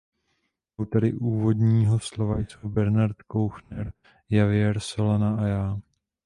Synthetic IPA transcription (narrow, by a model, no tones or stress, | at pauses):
wt̪aɾɪʔuːvo̞d̪ɲiːɦoslovajt͡subɛɾnaɾt̪kowxnɛɾ | javɪjɛɾso̞lanaʔajaː